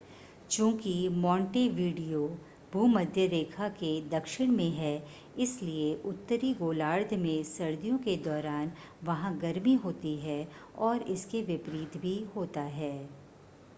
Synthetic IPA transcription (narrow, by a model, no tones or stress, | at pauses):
t͡ʃõːkimɔ̃ːɳʈeʋiːɖijo | bʱuːmɐd̪ʱjəɾeːkʰaked̪ɐkʃɪɽ̃mẽɦɛ | ɪslieʔʊt̪ːəɾiɡoːlaːɾd̪ʱmẽsɐɾd̪ijõked̪ɔːɾaːn | ʋɐɦãɡɐɾmiɦoːt̪iɦɛɔːɾɪskeʋɪpɾiːt̪bʱiɦoːt̪aɦɛː